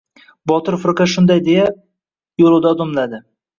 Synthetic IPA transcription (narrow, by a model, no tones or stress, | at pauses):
bɒt̪ɪɾfʊɾkaʃʊnd̪ajd̪eja | jolˠud̪ad̪omlad̪ɪ